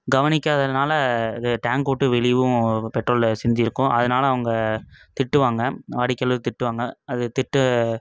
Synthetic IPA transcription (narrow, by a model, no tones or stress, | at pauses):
ɡɐʋɐnɪkʲːɐðɐnaːlɐðɯʈaːŋɡpoːʈːɯʋɛɭɪʋɯ̃pɛʈːroːlsɪnd͡ʒ̪ɪɾɯkːʊ̃ʔɐðɐnaːlɐːʋɐŋɡɐt̪ɪʈːɯʋaːŋɡɐaːɽɪkːɐlʋɯt̪ɪʈːɯʋaːŋɡɐɐðɯt̪ɪʈːɯ